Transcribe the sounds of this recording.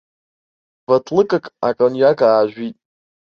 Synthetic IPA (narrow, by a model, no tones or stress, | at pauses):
vatʰlɨkʼɨkʼa̰kʼonjakʰʼaːʒʷᶣitʼ